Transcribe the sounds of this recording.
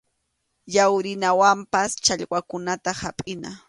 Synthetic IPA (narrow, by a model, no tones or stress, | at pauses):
jawɾɪnawampast͡ʃaʎwakʊnat̪ahapʼɪna